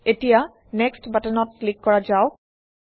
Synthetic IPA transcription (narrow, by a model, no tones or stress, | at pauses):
etija | nɛkstbatənɔt̚klikːɔɹad͡ʒaʊ